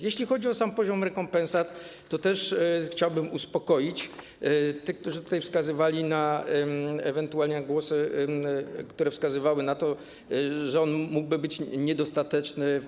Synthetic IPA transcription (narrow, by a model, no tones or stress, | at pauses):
jeɕlʲixɔd͡ʑiɔsampɔʑɔmɾɛkɔmpɛ̃nsat̪ː | ɔt̪ɛʂxt͡ɕawbɘmuspɔkɔjit͡ɕ | t̪ɘkt̪uʐɘt̪u̥t̪ajfskazɘvalʲina | ɛvɛnt̪ualʲɲɛɡwɔsɘ | kt̪uɾɛfskazɘvawɘnat̪ɔ | ʐɛɔnmuɡ̚bɘbɘt͡ɕɲɛd̪ɔst̪at̪ɛt͡ʂnɘ